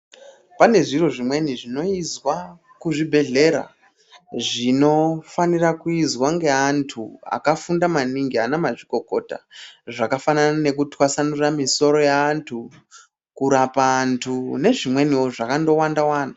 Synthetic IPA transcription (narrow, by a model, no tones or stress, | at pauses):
pane̞ʐiro̞ʐimwe̞niʐino̞izwa | kuʐibʱe̞ɮe̞ɾa̰ | ʐino̞fanirakuizwaŋɡe̞antʰua̰kafundamaniŋɡianemaʐiko̞ko̞ta̰ʐakafananane̞kutwasanuramiso̞ɾo̞jaːntʰu | kuɾapaːntʰune̞ʐimwe̞nio̞ʐakando̞wandawaːnda